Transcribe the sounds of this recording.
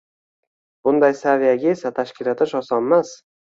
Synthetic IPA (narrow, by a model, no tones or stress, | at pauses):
b̥ʊnd̪ajsavijaɡʲae̞sat̪ʰaʃkʲɪlat̪ʰɪʃɒsɒnmas